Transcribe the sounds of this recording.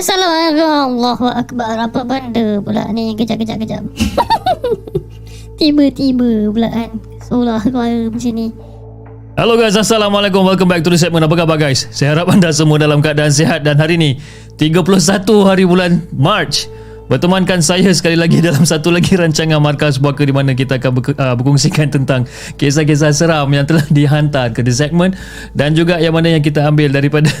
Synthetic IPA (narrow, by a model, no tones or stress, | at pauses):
asalamaɣalːɔhuʔakbaɾapabandəpula̰ʔniɡəd͡ʒaʔɡəd͡ʒaʔɡəd͡ʒaʔ | t̪ibət̪ibəpulaʔan | solahkəmaɾəməsini | haloɡajs̬asalamalek̬ʊmwalk̬ʊmbaik̚t̪uɾis̬ɛt̪̚mə̃nap̬akabaɡajssajahaɾapandas̬əmuadalamkadaans̬eɦat̪̚danɦaɾiːni | t̪iɡapulʊhs̬at̪uɦaɾibulanmart͡ʃ | bərt̪əmankansajasə̥kalilaɡidalamsat̪ulaɡiɾaɲt͡ʃaŋanmarkas̬buakədimanãk̬it̪aːkanbəəbəkɔŋsikant̪ənt̪aŋ | kes̬ahk̬es̬asəɾamjaŋt̪əlahdiɦant̪arkədəsɛk̚mə̃n | dand͡ʒuɡajaŋmanajaŋk̬it̪aambɪldaɾipada